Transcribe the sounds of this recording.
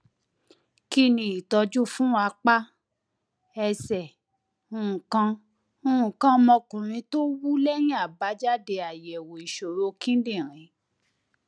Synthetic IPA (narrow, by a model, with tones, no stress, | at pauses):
ki˦nĩ˧˦i˨tɔ˧d͡ʒu˦fũ˦a˧k͡pa˦ | ɛ˧sɛ˨ | ũ˦ũ˨kã˧ | ũ˦ũ˨kã˧mɔ̃˧kũ˨ɾ̃ĩ˧to˦wu˦lɛ˦j̃ĩ˦a˦˨ba˨˦d͡ʒa˦de˧a˨jɛ˨wo˨i˨ʃo˨ɾo˨˦kĩ˦dĩ˦˨ɾ̃ĩ˨˧˦